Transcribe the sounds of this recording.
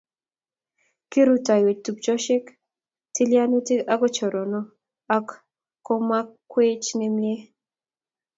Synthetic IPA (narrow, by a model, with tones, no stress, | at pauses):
ki˦ɾu˦˨ta˨jwe˨tu˨p̚t͡ʃɔ˦ʃɪ˦k | ti˦lja˦no˦ti˦ka˦kɔ˦t͡ʃɔ˨ɾɔ˨nɔ˦ | a˦k | kːo˦ma˦kːwe˦t͡ʃnɛ˦mjɛ˦